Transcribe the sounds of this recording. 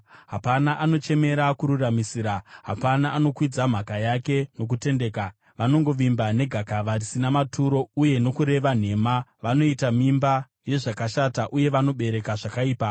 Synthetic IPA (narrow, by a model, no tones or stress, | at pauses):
ɦapanaʔano̞t͡ʃe̞me̞ɾakuɾuramisiːɾaɦa̰panaʔːno̞kwid͡zam̤akajake̞no̞k̬ute̞nde̞ːka | ʋano̞ŋɡo̞ʋimbane̞ɡʱakaʋarisinamatʰuɾo̞uje̞no̞kuɾe̞ʋan̤e̞maʋano̞itamimba | je̞ʐakaʃataʔuje̞ʋano̞ɓe̞ɾe̞kaʐakaiːpa